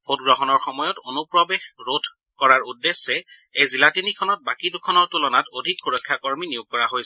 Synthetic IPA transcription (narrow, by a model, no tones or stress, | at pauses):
pʰotɡɹɔɦɔnɔɹxɔmɔjɔtonupɹɔbexɹodʰʱ | kɔɹaɹudːesːɛejzilatinikʰɔnɔt̚bakidukʰɔnɔɹtulɔnatodʱik̚puɹɔjkʰːjakoɹminijuɡ̚kɔɹaɦojsɛ